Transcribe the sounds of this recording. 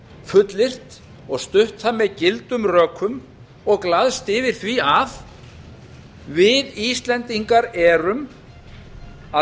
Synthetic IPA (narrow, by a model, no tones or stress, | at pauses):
fʏt̪lɪr̥t̪ | ɔɣst̪ʏht̪θamːɛðcɪlt̪ʏmrœːkʰːʏm | ɔɣklaðst̪ɪvɪɾ̥θviaf | vɪðist̪lɛnt̪iŋkaɾɛːɾʏm | a